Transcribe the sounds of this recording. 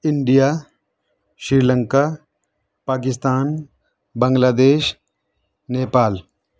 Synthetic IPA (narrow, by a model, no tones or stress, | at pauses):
ɪɳɖijaː | ʃɾiːlə̃ŋkaː | paːk̬ɪst̪aːn | bɐŋɡlaːd̪eːʃ | neːpaːl